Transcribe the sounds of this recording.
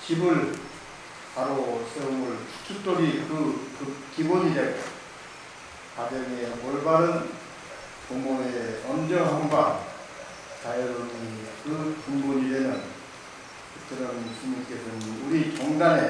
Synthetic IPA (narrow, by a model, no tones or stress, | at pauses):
t͡ɕibɯɭ | paɾos͈ʰeuŋɯɭt͡ɕʰu̥t͡ɕʰut͈oɡikɯkɯkiboɲiɾe̞ | kad͡ʑʌŋemoɭbaɾɯn | poŋboeʌnd͡ʑʌɦʌŋbaŋ | t͡ɕajʌɾonikɯpuŋboɲiɾenɯn | kɯt͈ʰɯɾʌnkiɲiŋk͈esʰɯnuɾit͡ɕoŋɡane̞